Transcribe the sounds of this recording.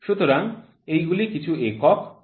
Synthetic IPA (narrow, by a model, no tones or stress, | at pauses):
ʃut̪oɾaŋ | ejɡulikit͡ɕʰuekɔk